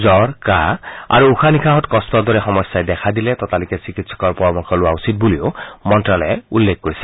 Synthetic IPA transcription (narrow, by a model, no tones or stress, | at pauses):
zɔɹkaa̰ɹuuxʰanikʰaɦɔtkɔstɔdɔɹɛxɔmɔjsːajdɛkʰadilɛtɔtalikɛsikitsɔ̥kɔɹpɔɹɔmɔkʰɔlʊwausit̚buliomɔntɹalɛulːek̚koɹisɛ̥